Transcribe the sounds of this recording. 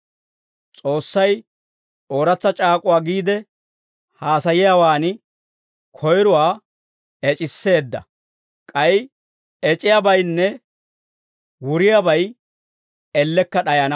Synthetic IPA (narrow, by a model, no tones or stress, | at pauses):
t͡sʼo̞ːsːɐj | o̞ːɾɐt͡sːɐt͡ʃʼaːkʼʊwaːɡiːd̪ɛ | haːsɐjɪjawaːnɪ | kʰɔjɾʊwaː | ɛt͡ʃʼɪsːe̞ːd̪ːɐ̰ | kʼɐj | ɛt͡ʃʼɪjabɐjnːɛ | wʊɾɪjabɐj | ɛlːɛkːɐɗɐjɐnɐ